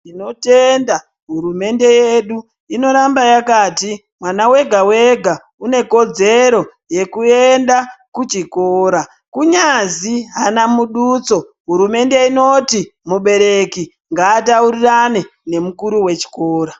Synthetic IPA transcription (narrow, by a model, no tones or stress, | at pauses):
ino̞tenda | ɦuɾume̞nde̞jeɗu | ino̞ɾambajakaːti | mwanawe̞ɡʱawe̞ɡʱa | une̞ko̞d͡ze̞ɾo̞ | je̞kue̞ndakut͡ʃikoːɾa | kuɲaziɦanamuɗut͡so̞ | ɦuɾume̞nde̞ino̞timuɓe̞ɾe̞ki | ŋɡaːt̬auɾiranene̞mukuɾuwe̞t͡ʃi̥ko̞ːɾa